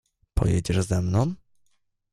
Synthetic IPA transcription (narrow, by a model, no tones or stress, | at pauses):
pʰɔ̰jɛd͡ʑɛʐzɛmnɔ̃w̃